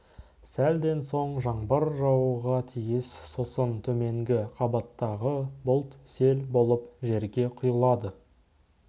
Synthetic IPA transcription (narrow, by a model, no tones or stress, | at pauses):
sæld̪e̞nso̞ɴʒɑɴbəɾʒɑwuʁɑt̪ʰijɪssosənt̪ʰɵme̞ŋɡʲɪqʰɑbɑt̪ːɑʁəbʊlˠt̪se̞lbo̞lˠəpʒe̞ɾɡʲe̞qʰʊjəlˠɑd̪ə